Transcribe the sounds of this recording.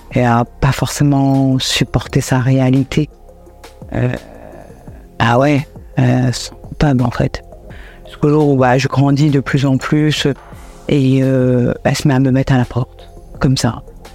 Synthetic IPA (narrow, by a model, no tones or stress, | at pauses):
eapafɔʁsemɑ̃sypɔʁt̪esaʁealit̪ʰe | ø̰ | awɛøsɑ̃pœblɑ̰̃fɛ̰t̪ | skolobaʒəɡʁɑ̃d̪id̪əplyzɑ̃plys | eøɛsəmɛaməmɛt̪χalapɔʁt̪ | kɔmsa̰